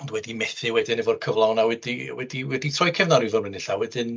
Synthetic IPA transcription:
ɔndwɛdimɛθɨwɛdɨnəvɔr̥kʰəvlˠawnawɛdiwɛdiwɛditʰrɔjkʰɛvnɔɾivɔrənɪɬawɛdɪn

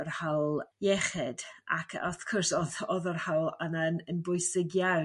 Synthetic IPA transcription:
ɔrhalˠjɛχɨd̥a̰kʰa̰θkʰɔrsɔðɔðɔrhawlˠananənbʊjsɪɡja

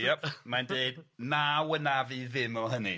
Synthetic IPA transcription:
jɛp̚mandeɨdnawənaviːðɪmɔɦənḭ

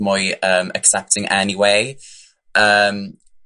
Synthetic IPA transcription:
mʊɪəːmʔə̰ksɛp̚tʰɪ̃ŋʔɛniweɪ | ʔəm

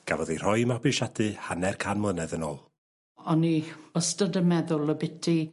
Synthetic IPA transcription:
ɡ̥a̰vɔðir̥ɔjmabɨʃadʰɨhanɛrkʰanmlənɛðəno̰ːlˠ | ɔniəstədəmɛðʊlˠəbɪtʰi

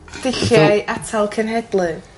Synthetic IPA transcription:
d̥ɪɬjajʔatʰalˠkʰənɦɛdlˠɨ

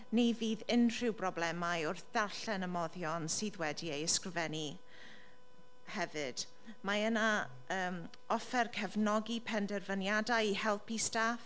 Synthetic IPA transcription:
nejviːðɪnr̥ɪwbrɔblɛmajʊrθð̥arɬɛnəmɔðjɔnsɨːðwɛdiejəskrɪvɛni | hɛvɨd̥ | maəna | əːm | ɔfɛrkʰəvnɔɡipʰɛndɛrvənjadajihɛlˠpistaːf

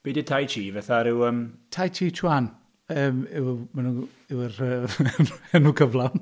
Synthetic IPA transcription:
b̥eːdətʰajtʰiːvɛθaɾɪwəmtʰajtʰiːtʰwan | əːmɪwmanu | ɪwrə | ɛnukʰəvlˠawn

